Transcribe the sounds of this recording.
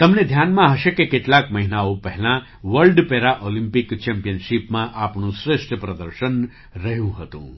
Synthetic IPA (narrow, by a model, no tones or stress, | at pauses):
t̪əmned̪ʱjanmãɦəʃekekeʈlakməɦinaopəɦɛlã | ʋəlɖpeɾaʔolĩmpikt͡ʃɛmpijənʃipmãʔapɳũsɾɪʃʈʰəpɾəd̪əɾʃən | ɾəɦjũɦət̪ṵ̃